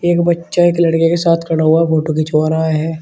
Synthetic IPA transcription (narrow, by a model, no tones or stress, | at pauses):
eːkbɐtːʃaeklɐɽkekesaːt̪ʰkɐɽ̃aɦuafoːʈokɪt͡ʃʋaːɾaːeɦɛː